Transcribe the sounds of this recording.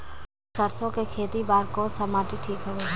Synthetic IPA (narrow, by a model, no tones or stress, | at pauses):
səɾsõkekʰeːt̪ibaːɾkɔːɾsɐmaːʈiʈʰiːkɦoʋeː